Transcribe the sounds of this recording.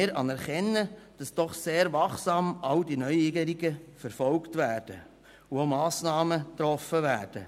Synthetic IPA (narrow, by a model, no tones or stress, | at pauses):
ɪɾɑnɛɾχɛnːəd̥ɑsd̥ɔχseːɾʋɑχsɑːmɑldinœʏiɡəɾiɡəfəɾfɔlktʋæːrd̥ə | uomɑːsnɑːmət̪ɾɔfəvæːrd̥ə